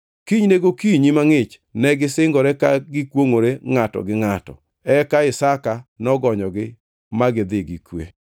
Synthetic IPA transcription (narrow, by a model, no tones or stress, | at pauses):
kiɲneɡokiɲimaŋɪt͡ʃ | nɛɡɪsɪŋɡɔɾɛkaɡɪkwoŋoɾeŋatɔ̰ɡɪŋatɔ̰ | ɛkaɪsakanɔɡɔɲɔɡɪ | maɡɪd̪ɪɡɪkwḛ